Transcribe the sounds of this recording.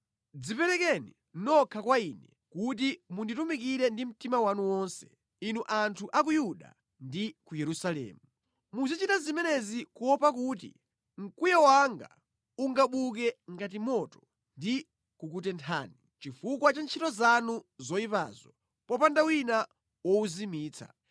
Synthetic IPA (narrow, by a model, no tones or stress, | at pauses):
d͡zipɛɾɛkɛnḭ | nɔkʰakwainɛ | kut̬imunditumikiɾɛndim̩timawanuwɔnsɛ̥ | inuʔantʰuʔakujuɗa̰ | ndikujɛɾusalɛ̰ːmu | muzit͡ʃitazimɛnɛzikuwɔpakutḭ | ŋ̩kujɛwaŋɡa̰ | uŋɡaɓuk̬ɛŋɡatimɔtɔ̥ | ndi | kukutɛntʰa̰ːni | t͡ʃifukwat͡ʃant͡ʃʰitɔzanuzɔipa̰ːzɔ | pɔpandawina | wɔuzimiːt͡sʰa̰